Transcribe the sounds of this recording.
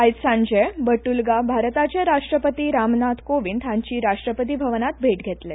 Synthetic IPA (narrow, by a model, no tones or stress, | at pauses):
ait̪sãɲd͡ʑəjbəʈulɡabʱaɾt̪at͡ɕjaɾaʂʈɾəpət̪iːɾamnat̪koʋiːnt̪ʰãɲt͡ɕiːɾaʂʈɾəpət̪̬iːbʱəʋnat̪̚bʱeʈɡʱet̪le